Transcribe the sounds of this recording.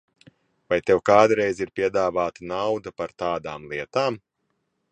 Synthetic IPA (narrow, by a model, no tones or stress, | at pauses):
vajt̪ɛwkaːd̪ɾɛjziɾpʲiɛd̪aːvaːt̪anawd̪ɐpaɾt̪aːd̪aːmlˠiɛt̪aːm